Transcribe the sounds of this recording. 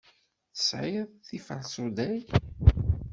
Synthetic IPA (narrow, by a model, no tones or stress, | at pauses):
θə̥sʕɪðθifəlsud̪æj